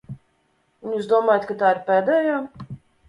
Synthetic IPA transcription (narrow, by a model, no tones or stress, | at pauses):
unjuːsd̪uɔmaːjat̪kat̪aːiɾpɛːd̪ɛjaː